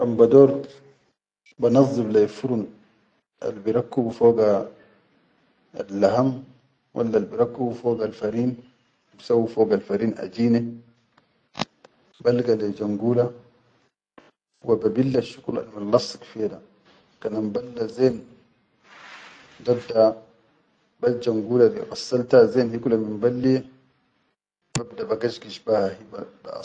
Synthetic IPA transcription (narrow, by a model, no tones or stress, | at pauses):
ʔambadoːɾ | banɑzˤːiblajfuɾun | ʔa̰lbiɾakːubfoːɡa | a̰lːaɦam | wʔa̰lːalbiɾakːubfoːɡalfaɾiːn | bisawːifoːɡalfaɾiːnʔa̰d͡ʒiːne | balɡaled͡ʒaŋɡuːla | wababilːaʃukula̰lmanlɑsːi̥kfɛda | kanambalːazɛn | dadːa | bad͡ʒaŋɡuːladiʔasːaltazɛnhikulaminbalːije | babdabaɡad͡ʒɡiʃbahahibaba̰